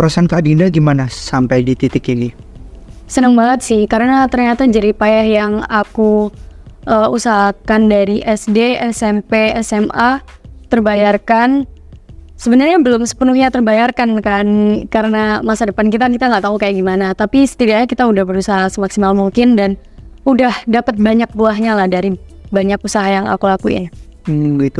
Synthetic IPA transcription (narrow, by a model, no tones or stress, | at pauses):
uɾasankadinaɡimanasampajdit̪it̪ɪkinɪ | sənəŋbaŋət̪̚sɪhkaɾənat̪ərɲat̪ad͡ʒadipajahjaŋaku | ʔəusaɦakandaɾiʔɛsdeɛsɛmpeɛsɛmat̪ərbajarkan | səbənarɲabəlʊmsə̥pənuhɲat̪ərbajarkankankaɾənamasadəpankit̪ankit̪aŋɡaʔt̪aɦukajaʔɡimanat̪apisə̥t̪idaɲakit̪audahbəɾusaɦasəmaksimalmuŋkɪndan | udahdapət̪̚baɲak̚buaɦɲalahdaɾibaɲakusaɦajaŋa̰kulakṵaɡit̪u